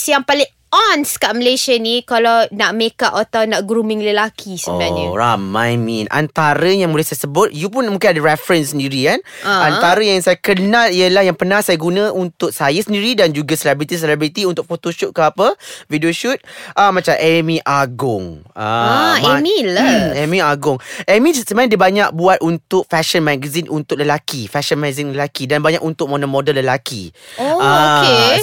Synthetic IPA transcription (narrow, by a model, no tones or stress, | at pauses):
sjaŋpalɪŋ | ɔnskaʔməleʃanikalawnaʔmekaʔat̪awnaʔɡɾumɪ̃ŋləlakʰisəbənaɲəamajmĩnʔa̰nt̪aɾəjaŋmulajsajasəbʊt̪̚jup̬ʊnmũŋkɪnadəɾɛfɾənsəndiɾikanant̪aɾəjaŋsajakənaliəlahjaŋpənãhsajaɡunə̃ʔunt̪ʊk̚sajəsəndiɾidand͡ʒuɡasəlɛbɾit̪is̬əlɛbɾit̪iunt̪ʊk̚fot̪oʃɔp̚kəapəfidioʃut̪̚ʔəmãt͡ʃamʔɛmĩʔaɡʊŋəɛmilaɛmĩaɡʊŋʔɛmĩsəmajãdiəbaɲak̚buat̪̚unt̪ʊk̚fɛʃənmãɡazinʔunt̪ʊk̚ləlakifɛʃənmɛ̃ɡzinləlakidanbaɲaʔunt̪ʊk̚monomodəlːəlakḭoae